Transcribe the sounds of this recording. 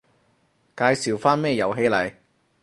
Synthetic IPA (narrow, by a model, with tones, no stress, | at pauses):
kaː˧jsiː˨wfaː˥nmɛː˥˧jɐ˨wɦe˨˧jlɐ̰˨˩j